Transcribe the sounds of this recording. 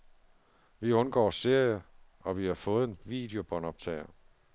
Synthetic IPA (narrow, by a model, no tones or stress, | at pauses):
ʋiɔ̽nɡ̥ɒ̰ːse̝ɐ̰jɐ | ɒ̽ʋihɑ̈fɔ̽ːð̞̩ˠenʋḭd̥e̝o̝b̥ɒ̽nɒ̽b̥̚t͡sʰɛ̰ːɪɐ